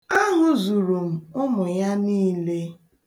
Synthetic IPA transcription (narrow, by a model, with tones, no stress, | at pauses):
a˦ŋʊ˨zu˨ɾu˨m̩˨ʊ˦mʊ˨ja˦niː˦le˦